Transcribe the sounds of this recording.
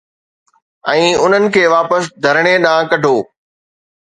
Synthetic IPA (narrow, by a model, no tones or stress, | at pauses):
ɛ̃ːʊn̤ənɪ̆kʰeːʋaːpəsd̪ʱɐɾɽ̃eɗãːkɐɖʱoː